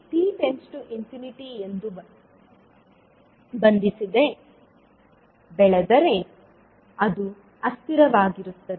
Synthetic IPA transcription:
ʈiːʈent͡ʃʈuʔinpjuːniʈiend̪u | bɐnd̪isid̪e | bɛɭɐd̪ɐɾe | ɐd̪u | ɐst̪iɾɐʋaːɡiɾut̪ːɐd̪e

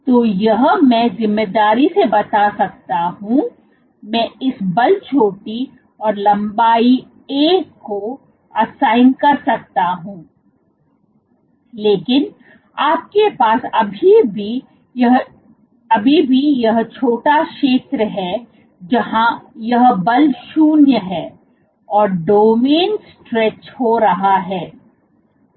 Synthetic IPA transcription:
t̪oːjɐɦmɛ̃zɪmːeːd̪aːɾisebɐt̪asɐk̚t̪aɦũː | mɛ̃ɪsbɐlt͡ʃʰoːʈi | ɔːɾlɐ̃mbaːi | eːkko | ɐsaːɪnkɐɾsɐk̚t̪aɦũː | leːkɪn | aːp̚kepaːsɐbʱibi | ɦ | ɐbʱibʱijɐɦt͡ʃʰoːʈaʃeːt̪ɾəɦɛ | d͡ʒɐɦãjɐɦbɐlʃuːnjəɦɛː | ɔːɾɖoːmeːnsʈɾɛːt͡ʃhoɾɐɦaɦɛː

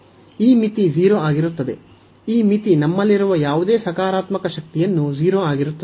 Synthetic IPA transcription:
iːmit̪id͡ʒiːɾoaːɡiɾut̪ːɐd̪e̞ | iːmit̪inɐmːɐlːiɾuʋɐjaːʋud̪eːsɐkaːɾaːt̪mɐkɐʃɐk̚t̪ijɐnːud͡ʒiːɾoːaːɡiɾut̪ːɐ

